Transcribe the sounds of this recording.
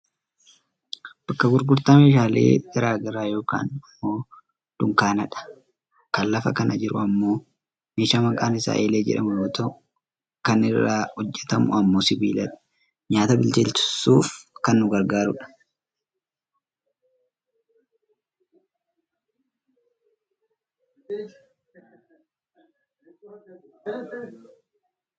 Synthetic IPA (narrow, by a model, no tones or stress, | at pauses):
b̥ɐkːɐɡʊɾɡʊɾt̪aːmeːʃaːlḛːɡ̥ɐɾaːɡɐɾaːjo̞ːka̰ːnɐmːo̞ː | d̪̥ʊŋkaːnɐᶑɐ̥ | kɐlːɐfɐ̰kɐnʔɐd͡ʒɪɾʊ̰ɐmːo̞ː | meːʃaːmɐkʼaːnɪsa̰ːʔeːle̞ːd͡ʒɛ̰ᶑɐmʊjoːt̪ɐʔ | kɐnɪrːaːhɔd͡ʒːɛt̪ɐmʊ̰ɐmːo̞ːsɪbḭːlɐᶑɐ̥ | ɲaːt̪ɐbɪlt̪ɪlt̪ʊ̥sːuːfkɐnːʊɡɐɾɡaːɾʊᶑɐ̥